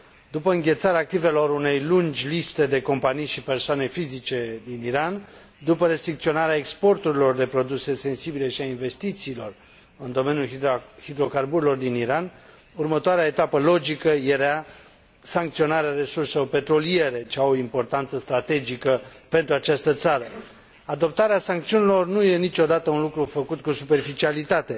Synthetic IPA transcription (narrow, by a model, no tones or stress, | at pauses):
d̪upəɨŋɡʲe̞t̪saɾeak̚t̪ive̞lo̞rune̞jlund͡ʒʲlist̪e̞d̪e̞ko̞mpanijʃipe̞rsoane̞fizit͡ʃe̞d̪iniɾan | d̪upəɾe̞st̪ɾikt̪sionaɾeaekspo̞rt̪uɾilo̞rd̪e̞pɾo̞d̪use̞se̞nsibile̞ʃiainve̞st̪it̪siːlo̞r | ɨnd̪o̞me̞njulhid̪ɾo̞karbuɾelo̞rd̪iniɾan | urmət̪oaɾeaet̪apəlo̞d͡ʒikəje̞ɾa | saŋkt̪sio̞naɾeaɾe̞surseope̞t̪ɾo̞lije̞ɾe̞t͡ʃeaoimpo̞rt̪ant̪səst̪ɾat̪e̞d͡ʒikəpe̞nt̪ɾuat͡ʃast̪ət̪saɾə | ad̪o̞p̚t̪aɾeasaŋkt̪siunilo̞rnuje̞nit͡ʃo̞d̪at̪əunlukɾufəkut̪̚kusupe̞rfit͡ʃialit̪at̪e̞